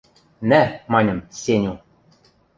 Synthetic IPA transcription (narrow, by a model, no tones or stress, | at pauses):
næmɑnʲɤ̆msʲenʲu